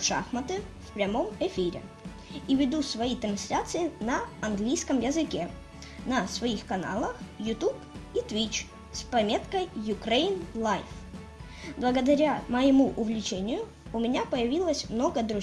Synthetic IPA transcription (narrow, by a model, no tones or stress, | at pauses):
ʂa̰xmət̪ɨfpɾʲɐmo̞mɛfʲiɾʲɪ̰ | ivʲɪd̪usvɐit̪ɾɐnsʲlʲat̪sɨɪnɐɐnɡlʲijskəmjəzɨkʲe | nɐsvɐixkɐna̰lˠəxjʊt̪up | it̪vʲit͡ɕ | spɐmʲe̞t̪kəjjʊkɾejnlˠajf | blˠəɡəd̪ɐɾʲaməjɪmuʔʊvlʲɪt͡ɕenʲɪjʊ | ʊmʲɪnʲapəjɪvʲilˠəsʲmnoɡəd̪ɾʊ